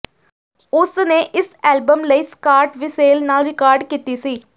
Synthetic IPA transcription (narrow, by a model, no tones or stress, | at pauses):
ʊsnẽːʔɪsɛːlbəmləiːskaːɾʈʋiseːlnaːlɾɪkaːɾɖkiːt̪iːsiː